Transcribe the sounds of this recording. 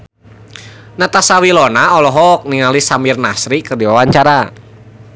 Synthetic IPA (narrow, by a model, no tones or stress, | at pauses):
nat̪asawilɔnaɔlɔɦɔk̚niŋalisamirnasɾikərdiwawaɲt͡ʃaɾa